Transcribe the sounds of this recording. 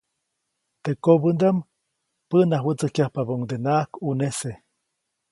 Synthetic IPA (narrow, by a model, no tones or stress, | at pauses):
t̪ekobɨnd̪am | pənaɦwət͡sɨkjahpaboŋd̪enakunese